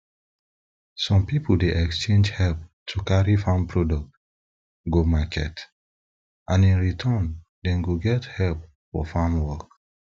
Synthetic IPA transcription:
sɔ̃mpipʰudeʔɛkst͡ʃẽnd͡ʒhɛlp̚tʰukaɹifãmpɹɔdɔk̚t | ɡomakʰɛ̰t | ʔãnĩnɹitʰɔn | dɛ̃nɡoɡɛthɛlp̚ | fɔ̰fãmwɔk

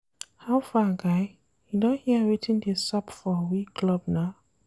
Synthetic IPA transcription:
haʊfaɡaɪ | judõnhiəɹitʰĩndisɔpfɔwikʰlɔb̚naʊ

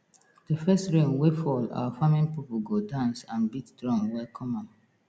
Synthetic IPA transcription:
dəfɛstɹẽnwefɔla̰wafamĩnpip̩ɡodãnsãnbitdɹɔ̃ŋwɛkʰɔmãn

